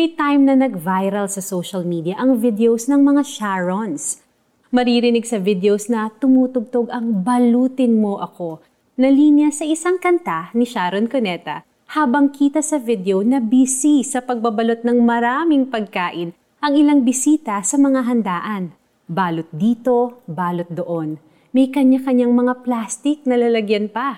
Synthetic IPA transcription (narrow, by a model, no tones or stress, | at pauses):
mɛjt̪ajmnɐnɐɡ̚vajɾɐlsɐsowʃɐlmid̪jɐʔɐŋvɪd̪ɛowsnɐŋmɐŋaʃaɹons | mɐɾiɾɪnɪɡsɐvɪd̪ɛowsnɐt̪ʊmuːt̪ʊɡ̚t̪oɡɐŋbɐluːt̪ɪnmo̞ʔɐko̞ | nɐlinjɐsɐʔɪsaŋkɐnt̪anɪʃaːɾonkonɛt̪ɐ | haːbɐŋkiːt̪ɐsɐvɪd̪ɛownɐbisisɐpɐɡ̚bɐbɐlo̞t̪̚nɐŋmɐɾaːmɪŋpɐɡ̚kaːʔɪn | ʔɐŋɪlaŋbɪsiːt̪ɐsɐmɐŋaɦɐnd̪aːʔɐn | baːlot̪̚d̪iːt̪o̞baːlot̪̚d̪oʔo̞n | mɐjkɐɲakɐɲaŋmɐŋaplaːst̪ɪk̚nɐlɐlɐɡjɐnpɐ